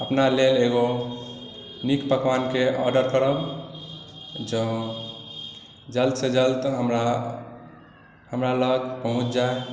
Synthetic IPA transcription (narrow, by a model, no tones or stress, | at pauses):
əpnaleleɡo | nikpəkʋankeʔɔɾɖəɾkəɾəb | d͡ʒə | d͡ʒəld̪sed͡ʒəldt̪ɦəmɾa | həmɾaləɡpəɦũt͡ʃd͡ʒae